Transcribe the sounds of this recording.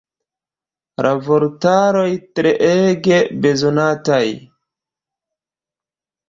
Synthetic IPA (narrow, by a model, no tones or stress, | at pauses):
ɾʔapoɾtaɾo̞jtɾeʔeɡe̞be̞zonataj